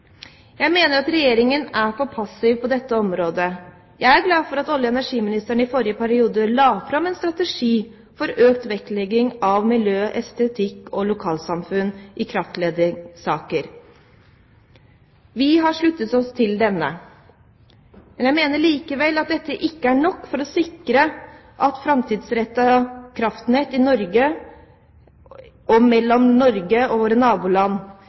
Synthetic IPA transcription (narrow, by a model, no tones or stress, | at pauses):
jæɪmeːnəɾɑt̪ɾɛjeːɾɪŋənæɾfɔpʰɑsɪʋpʰɔd̪ɛt̪ːəɔmɾoːd̪ə | jæɪæɾɡlɑːfɔɾɑt̪ɔljəɛnæʂiːmɪnɪst̪əɳəɪfɔɾjəpʰæɾɪuːd̪əlɑːfɾɑmɛnst̪ɾɑt̪ɛʂiː | fɔɾøːkt̪ʋɛklɛɡɪŋɑʋmɪljøːʔɛst̪ɛt̪ʰɪkːɔlʊkʰɑːlsɑmfʉnːʔɪkʰɾɑft̪leːd̪ɪsɑːkəɾ | ʋɪɦɑʂɭʉt̪ːət̪ɔst̪ʰɪld̪ɛnːə̰ | mɛnjæɪmeːnəɭiːkəʋɛlːɑt̪̚d̪ɛt̪ːəʔɪkːəæɳɔkːfɔɾɔsɪkɾə | ʔɑt̪fɾɑmt̪ʰiːd̪sɾɛt̪ːəkʰɾɑft̪n̩et̪ɪnɔɾɡə | ɔmɛlːɔmnɔɾɡəɔʋoːɾənɑːbuːlɑnː